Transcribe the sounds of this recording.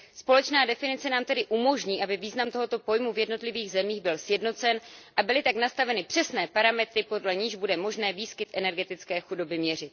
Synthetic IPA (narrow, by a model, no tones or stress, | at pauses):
spo̞lɛt͡ʃnaːdɛfɪnɪt͡sɛnaːmt̪ɛdɪʔumo̞ʒɲiːʔabɪviːznamt̪o̞ɦo̞t̪o̞po̞jmuvjɛdno̞t̪lɪviːɣzɛmiːɣbɪlsjɛdno̞t͡sɛnʔabɪlɪt̪aknast̪avɛnɪpr̥ɛsnɛːpaɾamɛt̪ɾɪpo̞dlɛɲiʒbudɛmo̞ʒnɛːviːskɪt̪ʔɛnɛɾɡɛt̪ɪt͡skɛːxudo̞bɪmɲɛr̝ɪt̪̚